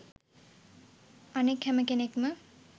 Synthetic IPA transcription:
ɐnekhɛməkenekmə

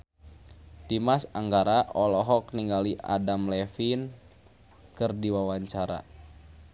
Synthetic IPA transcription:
d̥imasaŋɡaɾaʔɔlɔɦɔk̚niŋɡaliʔa̰damlɛfin | kɨrdiwawaɲt͡ʃaɾa̰

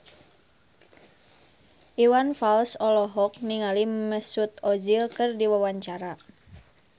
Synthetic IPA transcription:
ʔiwanfalsɔlɔɦɔk̚niŋaliməsut̪ɔd͡ʒilkɨrdiwawaɲt͡ʃaɾa

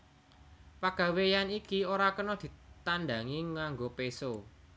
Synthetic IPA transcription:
paɡ̥a̤wejanikioɾakənɔd̪̥i̤t̪and̪a̤ŋiŋaŋɡopeso

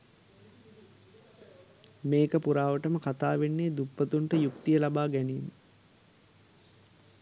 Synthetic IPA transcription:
meːkəpuɾaːʋəʈəməkat̪aːʋenːeːd̪upːət̪uɳʈəjukt̪ijəlabaːɡæniːn

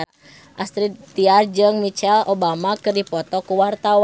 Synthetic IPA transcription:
ʔast̪ɾit̪iard͡ʒɨŋmit͡ʃɛlobamakɨrdipɔt̪ɔkuwart̪aw

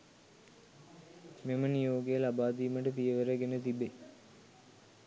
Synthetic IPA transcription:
memənijoːɡejəlabaːd̪iːməʈəpijəʋəɾəɡenət̪ibe

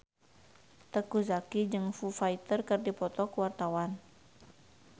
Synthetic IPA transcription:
t̪əkuzakid͡ʒɨŋfufait̪ərkɨrdipɔt̪ɔkuwart̪awan

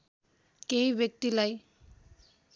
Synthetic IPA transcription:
keiʋjek̚t̪ilaj

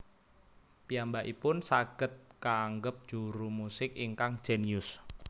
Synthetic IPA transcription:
pijambaʔipʊnsaɡ̥ə̤t̪̚kaːŋɡəp̚d̥ʒ̥uɾumusɪkiŋkaŋd̥ʒ̥ɛ̤niʊs

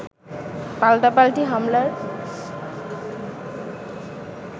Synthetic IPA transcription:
palʈapalʈiɦamlaɹ

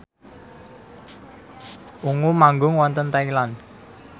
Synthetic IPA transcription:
ʔuŋumaŋɡʊŋwɔnt̪ənt̪ailan

